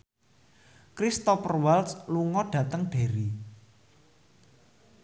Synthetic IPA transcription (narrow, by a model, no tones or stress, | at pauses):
kɾist̪ɔfərwaltsluŋɔɖ̥ä̤t̪əŋb̥e̤ɾi